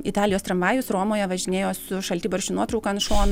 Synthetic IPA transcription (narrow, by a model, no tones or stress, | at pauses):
ɪt̪ɑːlʲɪjoːst̪ɾɐmɑːjʊsɾoːmoːjɛʋɐʒʲɪnʲeːjoːsʊʃɐlʲt̪ʲiːbɐɾʲʃʲʊnuɔt̪ɾɐʊkɐnʃoːn